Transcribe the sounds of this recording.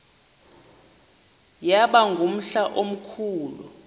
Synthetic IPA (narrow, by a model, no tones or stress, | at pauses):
jaɓaŋɡʱum̩ɬaʔom̩kʰuːlṵ